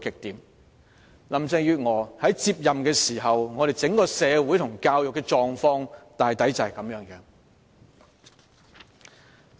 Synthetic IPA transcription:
kɪ˨k̚t̪iː˨m | lɐ˨˩mt͡sɛː˧jyː˧t̚ŋɔː˨˩hɐ˨˥jt͡siː˧p̚jɐ˨mkɛː˧siː˨˩ɦɐ˨wŋɔː˨˧ɾe˨jt͡sɪ˨˥ŋkɔː˧sɛː˨˧wuː˨˥jt̪ʰʊ˨˩ŋkaː˧wjʊ˨kːɛː˧t͡ʃɔː˨ŋfɔː˧ŋt̪aː˨jt̪ɐ˨˥jt͡sɐ˨hɐ˨jkɐ˨˧˥mjœː˨˥ŋkɛ˧

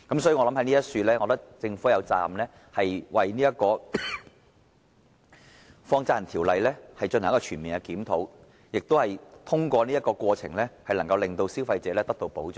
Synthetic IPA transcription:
kɐ˨˥msɔː˧˥jɔː˨˧lɐ˨˥mhɐ˧˦jniː˥ɐ˥tsyː˧lɛː˥ŋɔː˨˧t̪ɐ˥k̚t͡sɪ˧ŋfuː˨˥jɐ˨˧wt͡sa̰ː˨˧mlɛː˥ | hɐ˨jwɐ˨jniː˥jɐ˥t̚kɔː˧ | fɔː˧ŋt͡saː˧˥˨nt̪ʰiː˨˩wlɐ˨jlɛː˥hɐ˨jt͡ʃɵ˧nhkɔː˧t͡ʃʰyː˨˩nmiː˨˩nɡɛ˧kiː˨˥mt̪ʰo˨˥w | jɪ˨k̚t̪o˥hɐ˨jt̪ʰʊ˥ŋkʷɔː˧niː˥ɐ˥t̚kɔː˧kʷɔː˧t͡sʰɪ˨˩ŋlɛː˥hɐ˨jlɐ˨˩ŋkɐ˧wlɪ˨ŋt̪o˧wsiː˥wfɐ˧jt͡sɛː˨˧lɛː˥t̪ɐ˥k̚t̪o˧wpo˨˥wt͡sœː˨˩

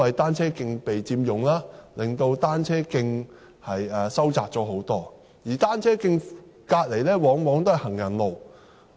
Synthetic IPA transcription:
ɐ˨jt̪aː˥nt͡sʰɛː˥kɪ˧ŋpe˨jt͡siː˧mjʊ˨˩ŋlaː˥lɪ˨ŋt̪o˧wt̪aː˥nt͡sʰɛː˥kɪ˧ŋ | hɐ˨jɐː˨sɐ˥wt͡saː˧k̚t͡ʃɔː˨˥ɦo˨˥wt̪ɔː˥ | jiː˨˩t̪aː˥nt͡sʰɛː˥kɪ˧ŋkaː˧t̚le˨jlɛː˥wɔː˨˥ŋwɔː˨˥ŋt̪o˥whɐ˨jhɐ˨˩ŋjɐ˨˩nlo˨˩w

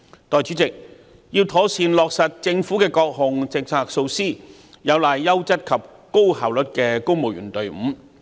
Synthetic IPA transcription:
t̪ɔː˨˧jt͡ʃyː˨˥t͡sɪ˨k̚ | jiː˧wt̪ʰɔː˨˥siː˧nlɔː˨k̚sɐ˨t̚t͡sɪ˧ŋfuː˨˥kɛː˧kɔː˧k̚ɦʊ˨ŋt͡sɪ˨˧k̚t͡sʰaː˧k̚so˧wsiː˥ | jɐ˨˧wlaː˨jːɐ˥wt͡sɐ˥t̚kʰɐ˨p̚ | ko˥whaː˨˩wlɵ˨t̚kɛː˧ko˥wmo˨wjɥy̰ː˨˩nt̪ɵ˨ɥm̩˨˥

